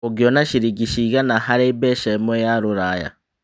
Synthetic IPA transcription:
oɡjonaʃiɾiɡiʃiɣanahaɾebɛʃemojaɾuɾaja̰

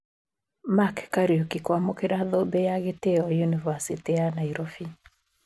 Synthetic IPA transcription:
makkaɾiokikwamokeɾaðobejaɣeteɔjunivasitijanaiɾofi

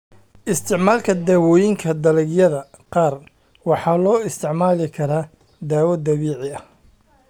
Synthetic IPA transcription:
ʔɪst̪ʰɪʕmaːlkʰɐd̪aːwɔːjɪŋkʰɐd̪ɐlɛɡjɐðɐqɑːr | wɑħɑːlɔːɪst̪ʰɪʕmaːlɪkʰɐɾaː | d̪aːwɐd̪ɐβiːʕɪɐh

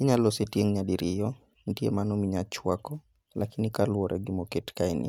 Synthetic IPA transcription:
iɲalosetjeŋɲaɗiɾijɔ | ndiḛmanɔmiɲat͡ʃwakɔ | lakinikalwɔɾʔɛ̰ɡimɔketkainʔḭ

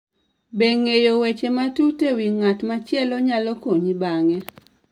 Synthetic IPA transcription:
beŋejowet͡ʃematutewiŋatmat͡ʃɪɛlɔɲalɔkoɲibaŋɛ

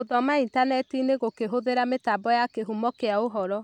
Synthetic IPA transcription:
oðɔmaintanɛtineɣokeɦoðeɾametabɔjakeɦumɔkeaoɦɔɾɔ

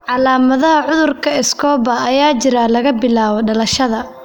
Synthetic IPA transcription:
ʕɑlaːmɐðɐɦɐʕʊðʊrkʰɐɪskʰɔːbɐːjaːt͡ʃɪɾaːlɐɣɐbɪlaːβɔɖɐlɐʃɐðɐ

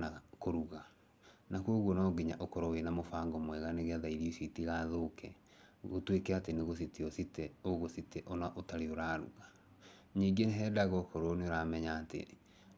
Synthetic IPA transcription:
nakoɾuɣa | nakoɣwɔnaɡiɲa̰ʔokɔɾɔwenamofaːŋɡɔmwɛɣaneɣeaðaiɾiesitiɣaːðokɛ̰ | otwekɛateneɣositiɔsitɛoɣositɛʔɔnaʔotaɾeoɾaɾṵɣa | ɲiɡeneɦɛdaɣɔkɔɾɔneoɾamɛɲaːtḛ

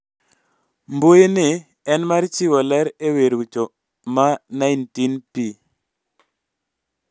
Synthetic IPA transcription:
mbojenɪ | ɛnmaɾt͡ʃiwɔlɛɾeweɾwut͡ʃo | manajntinpi

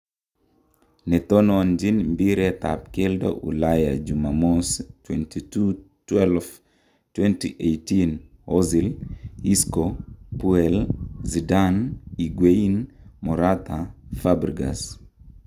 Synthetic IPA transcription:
nɛt̪ɔnɔand͡ʒinmbiɾɛt̪a̰p̚keldɔ̰ʔṵlaja̰d͡ʒumamostwɛntʰitu | twɛlf | twɛntḭʔejtin | ɔziliskopuɛlzidaniɡweinmɔɾat̪afabɾiɡa̰s

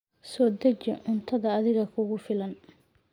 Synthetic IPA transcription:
sɔːd̪ɐt͡ʃɛʕʊnt̪ʰɐðɐːðɪɣɐkʰʊɣʊfɪlɐn

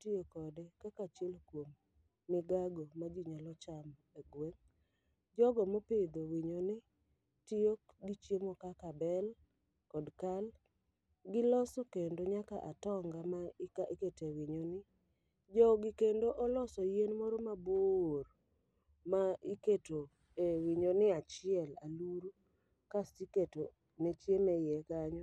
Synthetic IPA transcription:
tiokɔdekakat͡ʃelkwomː | ɪɡaɡomad͡ʒiɲalɔt͡ʃam | eɡweŋ | d͡ʒɔɡɔmopɪd̪owiɲonɪ | tioɡit͡ʃjemokakabɛl | kɔdkal | ɡɪlɔsɔkendoɲaka̰ʔatɔŋɡamaikaiketewiɲonɪ | d͡ʒɔɡɪkendoʔɔlɔsɔjenmoɾomabor | maiketo | ewiɲonɪat͡ʃɪɛlaluɾu | kasiketo | net͡ʃjemejɛkaɲɔ

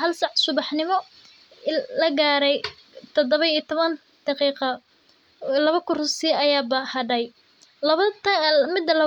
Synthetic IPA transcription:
ɦɐlsɑʕsʊβɑħnɪmɔ | lɐɡaːɾɛj | t̪ʰɔd̪ɔβɐiːt̪ʰɔβɐn | d̪̥ɑqiːqɐ | lɐβɐkʰʊrʊsiɐjaːbɐhɐɖɐj | lɐβɐmɪd̪ːɐlɐ

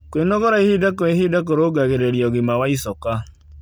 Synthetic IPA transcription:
kwenɔɣɔɾaihidakɔiɦidak̬oɾoɡaɣeɾeɾjɔɣimawaisɔka

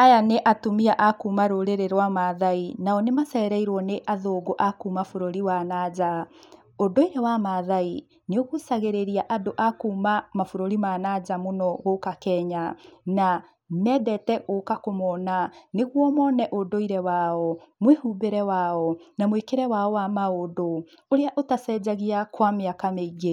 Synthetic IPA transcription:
ajaneʔatomiaʔakumaɾoɾeɾeɾwamaðainaɔnemasaɛɾaiɾwɔneʔaðoːɡoʔakuːmafoɾoɾiwanad͡ʑa | odoiɾɛwamaðai | neoɣusaɣeɾeɾiaʔadoʔakumamafoɾoɾimanad͡ʑamonɔɣokakɛɲana | nɛdɛtɛɣokakomɔnaneɣwɔmɔnɛʔodoiɾɛwaɔmwehubeɾɛwaːɔnamwekeɾɛwaɔwamaodo | oɾeaʔotasɛd͡ʑaɣiakwameakameiɣe

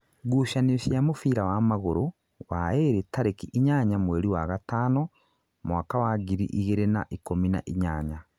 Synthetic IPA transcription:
ɡuːʃanesjamofiːɾawamaɣoɾo | wa̰eɾetaɾekiʔiɲaɲamweːɾiwaɣataːno | mwaːkawaɡiɾḭʔiɣeɾena̰ʔikomina̰ʔiɲaːɲa

